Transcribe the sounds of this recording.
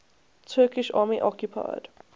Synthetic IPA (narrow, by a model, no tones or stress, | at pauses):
tʰɜːkɪʃʔa̰ːmiʔɔkjupʰa̰d̥